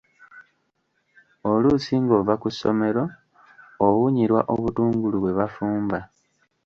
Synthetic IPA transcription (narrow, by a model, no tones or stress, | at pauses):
olusiŋɡo̞vakuso̞̰me̞ɾo̞ː | βuɲiɾwa̰ʔo̞βutuːŋɡuluβwe̞βafuːmba